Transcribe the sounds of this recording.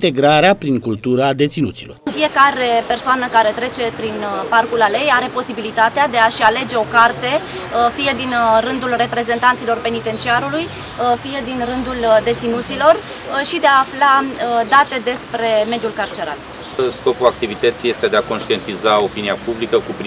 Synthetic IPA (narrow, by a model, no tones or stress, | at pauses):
t̪e̞ɡɾaɾeapɾiŋkult̪uɾad̪e̞t̪sinṵt̪silo̞̰rfie̞kaɾe̞pe̞rsoanəkaɾe̞t̪ɾe̞t͡ʃe̞pɾinparkulale̞jaɾe̞po̞sibilit̪at̪ead̪e̞aʃale̞d͡ʒe̞o̞kart̪e̞ | fije̞d̪inrɨnd̪ulre̞pɾe̞ze̞nt̪ant̪silo̞rpe̞nit̪e̞nt͡ʃiaɾuluj | fijed̪inrɨnd̪uld̪e̞t̪sinut̪silo̞r | ʃid̪eaːflad̪at̪e̞d̪e̞spɾe̞me̞d̪julkart͡ʃeɾa̰t̪ | ɨsko̞pulak̚t̪ivit̪ət̪sije̞st̪e̞d̪eako̞nʃt̪ie̞nt̪izao̞piniapublikəkupɾ